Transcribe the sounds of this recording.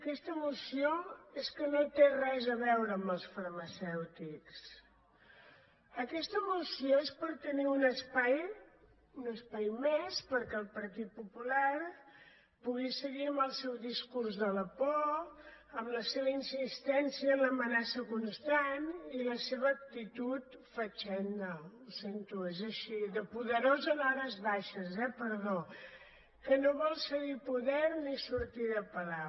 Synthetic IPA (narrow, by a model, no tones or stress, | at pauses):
əkɛst̪əːmusioeskənot̪erɛzəβɛwɾəːmbəlˠsfərməsɛwt̪iks | əkɛst̪əmusioespəɾt̪əniunəspaj | unəspajmespəɾkɛəlˠpəɾt̪it̪̚pupulaɾ | puɣisəɣiəmbəlˠsɛwðiskuɾzðələpɔ | əmləseβəinsist̪ɛnsiəːmləmənasəkunst̪aniləseβəːk̚t̪it̪ut̪fət͡ʃɛnd̪əusent̪uezəʃiðəpuðəɾozənɔɾəzβaʃəzɛpəɾðo | kənoβɔlˠsəɣipuðɛɾnisuɾt̪iðəpəla